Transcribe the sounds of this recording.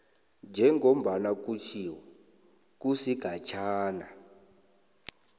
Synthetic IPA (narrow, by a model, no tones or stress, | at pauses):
nd͡ʒʱɛŋʱom̩ɓanak̬ut͡ʃʰiɔ | k̬ʼusiɡ̥ʱat͡ʃʰaːna